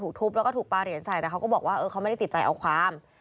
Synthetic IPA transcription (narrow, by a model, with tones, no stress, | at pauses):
u˨˩k̚t̪ʰu˦˥p̚lɛ˦˥wkɔː˥˩t̪ʰuː˨˩paː˧ɾi˨˩˦ənsaː˨˩jt̪ɛː˨˩kʰwkɔː˥˩bɔː˨˩k̚waː˥˩ʔɤː˧a˦˥wma˥˩da˥˩ti˨˩t͡ɕaː˧jʔa̰˧wkʰwaː˧˥˩m